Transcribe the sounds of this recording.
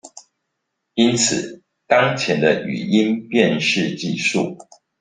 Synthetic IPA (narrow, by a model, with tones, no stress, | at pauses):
i˦˥nt͡s̩ʰ˨˩ | t̪ɑ˦ŋt͡ɕʰjɛ˨˦nd̪ə˧ʔy̰˨˩i˦˥npjɛ˥˨nʂɻ̩˥˧t͡ɕi˥˧ʂṵ˥˩